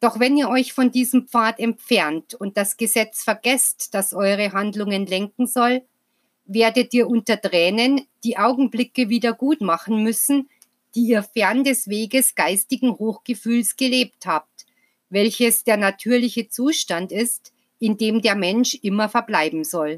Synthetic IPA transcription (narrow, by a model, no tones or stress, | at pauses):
d̥ɔχvɛniːɐɔʏçfɔndiːzəm̩pp͡faːtɛmp͡fɛɐntʊnt̚d̥asɡ̥əzɛt͡sfɛɐɡɛstd̥asʔɔʏʁ̞əɦandlʊŋənlɛŋkŋ̩zɔl | veːɐdətiːɐʔʊntɐtʁɛːnənd̥iːʔaʊɡŋ̩blɪkəviːdɐɡuːtmaχn̩mʏsn̩ | d̥iːiːɐfɛɐndɛsveːɡəsɡ̥aɪstɪɡŋ̩hoːxɡ̥əfyːlsɡ̥əleːp̚thaːp̚t | vɛlçəsd̥eːɐnatʰyːɐlɪçət͡suːʃtantɪst | ɪndeːmdeːɐmɛnʃʔɪmɐfɛɐblaɪbm̩zɔl